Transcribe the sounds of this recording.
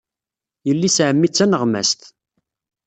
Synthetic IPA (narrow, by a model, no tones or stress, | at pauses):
jəlːisʕəmːit͡sːænəʁmæ̰st̪